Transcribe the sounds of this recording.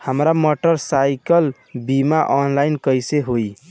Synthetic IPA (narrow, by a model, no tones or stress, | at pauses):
həmɾamɔʈəɾsajkəl | bimaʔɔnlainkəjseɦoj